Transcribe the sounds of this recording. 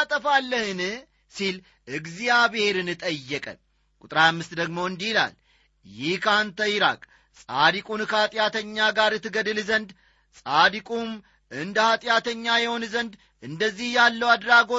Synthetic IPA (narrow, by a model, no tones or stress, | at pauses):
at̪ʼəfalːəhɨn | sil | ʔɨɡzijaβhe̞ɾɨnɨt̪ʼəjːɛkʼə̰ | kʼut̪ʼɾajamːɨst̪d̪əɡmo̞ɨnd̪ihila̰l | jɪhkʰəant̪ʰəjiɾa̰kʼ | sʼad̪ikʼunkʰəhat̪ʼjat̪ʰəɲːaɡaɾɨt̪ʰːɨɡəd̪ɨlzənd̪ | sʼad̪ikʼum | ʔɨnd̪əhat̪ʼjat̪ʰəɲːajɛho̞nzənd̪ | ʔɨnd̪əzːihjalːəwad̪ɾaɡo̞